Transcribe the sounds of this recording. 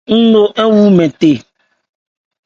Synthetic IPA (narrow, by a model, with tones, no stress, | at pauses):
ŋ̩˦lo˦ʔe˦wu˦mɛ̃˨t̪e˨